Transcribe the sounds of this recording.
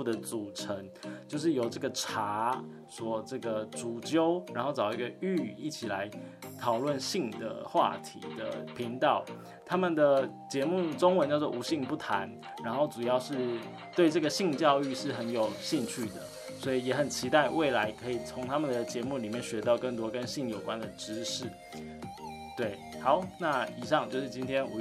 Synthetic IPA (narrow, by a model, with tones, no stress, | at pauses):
u˥˧d̪ə˩t͡su˨˩ʈ͡ʂʰə˧˦ŋt͡ɕjo˥˧ʊʂ̬ɻ̩˥˩jo˨˩ʊʈ͡ʂə˥˩ɡə˩ʈ͡ʂʰa˧˦˥ | swɔ˧˥ʈ͡ʂɤ˥˩ɡə˩ʈ͡ʂu˨˩t͡ɕjo˦˥ʊɻa˧nxo˥˩ʊʈ͡ʂɑ˨˩ʊi˧˥ɡə˧y˥˧i˥˩t͡ɕʰi˨˩la˧˦ɪt̪ʰɑ˨˩ʊlwə˥˨nɕi˥˩ŋd̪ə̰˩xwa̰˥˩t̪ʰḭ˧˥d̪ə̰˨˩pʰi˧˥ŋt̪ɑ˥˩ʊ | t̪ʰa˥mə˨nd̪ə˩ | t͡ɕjɛ˧˥mu˥˩ʈ͡ʂo˥ŋwə˧˦nt͡ɕjʊt͡s̬ʰɔ˥˩˨u˧˥ɕi˥˧ŋpu˥˩t̪ʰa˧˦n | ɻa˧˥nxo˥˩ʊʈ͡ʂu˨˩jɑ˥˧ʊʂɻ̩˥˩ | t̪we˥˧ɪʈ͡ʂɤ˥˩ɡə˩ɕi˥˧ŋt͡ɕjɑ˥˧ʊy˥˧ʂɻ̩˥˩xə˧˥njo˨˩ʊɕi˥˧ŋt͡ɕʰy˥˩d̪ə̰˩ | swɔ˧˥i˨˩jɛ˧˩˥xə˨˩nt͡ɕʰi˧˥t̪a˥˩ɪwe˥˩ɪla˧˥ɪkʰɤ˧˥i˨˩t͡sʰʊ˧˥ŋt̪ʰa˥mə˨nd̪ə˩t͡ɕjɛ˧˥mu˥˩li˨˩mjɛ˥˩nɕɥɛ˧˥t̪ɑ˥˧ʊkə˥˩ŋt̪wɔ˥kə˦˥nɕi˥˩ŋjo˨˩ʊkwa˦nd̪ə˨ʈ͡ʂɻ̩˥ʂɻ̩˥˩ | t̪we˥˩ɪxɑ˧˦ʊna˥˩i˨˩ʂɑ˥˧ŋt͡ɕjo˥˧ʊʂɻ̩˥˩t͡ɕi˥nt̪ʰjɛ˥nu˧